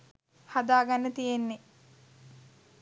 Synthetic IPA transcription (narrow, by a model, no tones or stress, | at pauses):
had̪aːɡanːət̪ijenːe